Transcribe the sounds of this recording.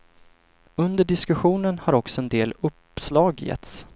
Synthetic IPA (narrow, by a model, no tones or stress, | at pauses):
ɵnd̪əɖɪskɵɧuːnənhaɾɔksɔɛnd̪eːlɵp | slɑːɡjɛ̰t̪s